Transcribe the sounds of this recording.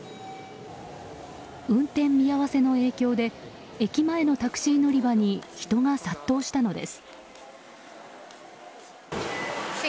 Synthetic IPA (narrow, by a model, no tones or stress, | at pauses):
ɯ̟̃nt̪ẽ̞mːʲijaβase̞no̞e̞ːkʲo̞ːd̪e̞ | ekʲimae̞no̞t̪akɯ̟̥ɕiːno̞ɾʲibaɲ̟içi̥t̪o̞ŋasat̪ːo̞ːɕi̥t̪ano̞d̪e̞̰sɨ̥